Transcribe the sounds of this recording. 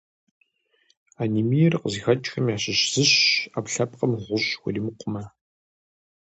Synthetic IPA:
aːnimijɛrqəzixɐt͡ʃʼxɐmjaːɕɪɕz̥ɨɕapɬɐp̚ʼqɐmʁʷʊɕxʷɔ̰limɨqʷʼʊmɐ

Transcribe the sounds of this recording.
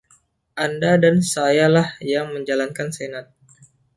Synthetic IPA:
ʔandadansajalahjaŋməɲd͡ʒalankansenat̪̚

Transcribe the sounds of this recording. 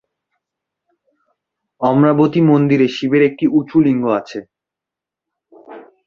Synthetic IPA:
ɔmɾabot̪imond̪iɾeʃibeɾek̚ʈiut͡ɕʰuliŋɡoat͡ɕʰe

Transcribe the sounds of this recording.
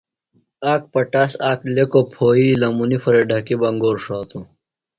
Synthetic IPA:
aːk̚pɐʈasaːklekopʰoːiːlɐmunifɐɾeɖʱɐkibɐŋɡoːɾʂaːt̪ũ

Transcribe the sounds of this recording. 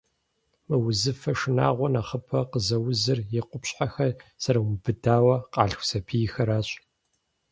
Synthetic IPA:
mɐwʊzɨfɐʂɨna̰ːʁʷɔnaχəpʰɐqəzɐwʊzɨrjɪqʷʊpɕħaxɐrsɐɾɐwmbɨdaːwɐqɑːɬxʷsɐpʰijxɐɾaːɕʼ

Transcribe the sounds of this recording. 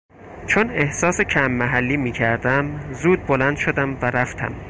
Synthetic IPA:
t͡ʃʰone̞hsɒːse̞cʰæmːæɦælːiːmiːcʰæɾd̪æmzuːd̪̚bolænd̪̥ʃod̪æmvæɾæft̪ʰæ̰m

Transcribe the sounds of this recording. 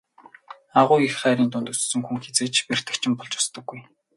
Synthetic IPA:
aʁʊːixχæːɾiːnt̪ʊnt̪ɵssɵ̆ŋxuŋxet͡seːt͡ɕper̥t̪ɘ̆kt͡ɕʰɪ̆mpɔɮt͡ɕʊ̥st̪ɞ̆ɡːuj

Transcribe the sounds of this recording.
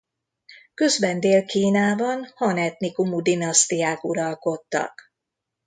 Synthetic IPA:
kø̞zbɛnd̪eːlkiːnaːbɒnhɒnɛt̪nikumud̪inɒst̪ijaːkuɾɒlko̞t̪ːɒ̰k

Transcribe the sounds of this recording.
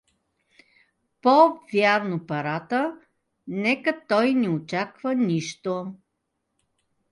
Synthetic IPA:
povʲjaɾnopɐɾat̪ə | nɛkət̪ɔjnɛot͡ʃakvəniʃt̪o

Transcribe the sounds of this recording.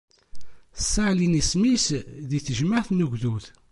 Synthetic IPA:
sːaʕlinismisðiθəʒməʁθnuʝðuθ

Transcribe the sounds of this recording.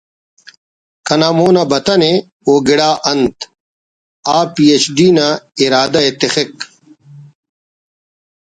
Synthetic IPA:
kɐnaːmoːnɐbɐt̪ɐne | oːɡiɽaːʔɐnt̪ | aːpiːet͡ɕɖiːnaiɾaːd̪ɐet̪ixek

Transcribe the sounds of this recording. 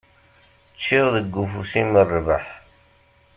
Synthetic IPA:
t͡ʃːiʁðəɡːufusinːərˤːva̰ħ

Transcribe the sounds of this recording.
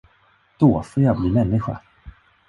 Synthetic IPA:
d̪̥oːfoːɾjɑːɡbliːmɛnːɪɧa̰

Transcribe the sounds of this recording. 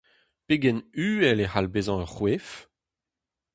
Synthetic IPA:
peɡɛnyːɛlehalbezɑ̃œʁχwef

